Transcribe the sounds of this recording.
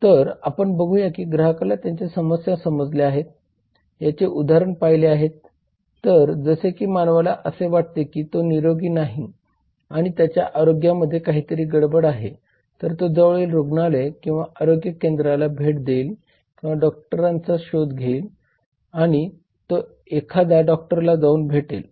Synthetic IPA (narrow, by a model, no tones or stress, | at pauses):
t̪əɾapəɳbəɡʱujakiːɡɾəɦakalat̪jaɲt͡ɕesəməsjasəməd͡zleaɦet̪̚ | jat͡ɕeʔud̪ʱaɾəɳpaɦjleaɦet̪ː | əɾd͡zəsekiːmanʋalaʔəseʋaʈ̚t̪ekiːt̪oniɾoɡiːnaɦi | aɽ̃it̪jat͡ɕja̰ʔaɾoɡjaməd̪ʱːjekaɦiːt̪əɾiːɡəɽbəɽaɦe | t̪əɾt̪od͡zəʋɭelɾoɡnalekĩw̃ʋaʔaɾoɡjəkend̪ɾalabʱeʈd̪el | kĩw̃ʋaɖɔk̚ʈəɾãnt͡saɕod̪ɡʱeːl | aɽ̃i | t̪o | ekʰad̪aɖɔk̚ʈəɾlaɡauːnbʱeʈḛl